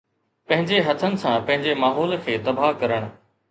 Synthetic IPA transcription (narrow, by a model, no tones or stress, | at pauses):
pɐ̃ɦɪ̃ɲd͡ʑeɦɐt̪ʰənɪ̆sãpɐ̃ɦɪ̃ɲd͡ʑemaːɦɔːlkʰeːd̪ɐbaːkɐɾəɽ̃̆